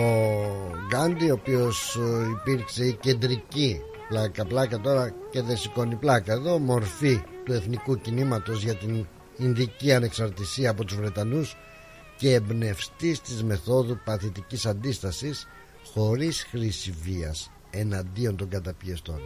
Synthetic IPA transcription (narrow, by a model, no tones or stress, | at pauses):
o | ɡɐnd̪io̞ːpio̞sipiɾkse̞ice̞nd̪ɾici | plɐkɐplɐkɐt̪o̞ɾɐce̞ðesiko̞niplɐkɐe̞ðo̞mo̞ɾfit̪ue̞θnikucinimɐt̪o̞zʝɐt̪in | inðiciɐne̞ksɐɾt̪isiɐːpo̞t̪uzvɾe̞t̪ɐnus | ce̞ːbne̞fst̪ist̪izme̞θo̞ðupɐθit̪icisɐnd̪ist̪ɐsis | xo̞ɾisxɾisiviɐs | e̞nɐnd̪io̞nt̪o̞ŋɡɐt̪ɐpiest̪o̞̰n